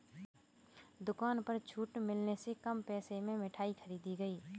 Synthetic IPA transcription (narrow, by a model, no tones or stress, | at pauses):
d̪ʊkaːnpɐɾt͡ʃʰuːʈmɪlnesekɐmpɛːsemẽmɪʈʰaːixʰɐɾiːd̪iɡəiː